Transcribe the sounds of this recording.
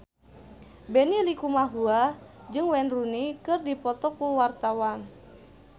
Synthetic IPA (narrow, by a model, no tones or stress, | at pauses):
benilikumaɦua | d͡ʒɨŋwɛnrunikɨrdipɔt̪ɔkuwart̪awan